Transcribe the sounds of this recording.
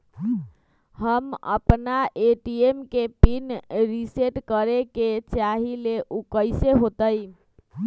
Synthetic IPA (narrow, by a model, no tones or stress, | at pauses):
həmə̰pnaʔeʈiemkepinɾiseʈkəɾeket͡ʃaɦileʔukəjseɦot̪əj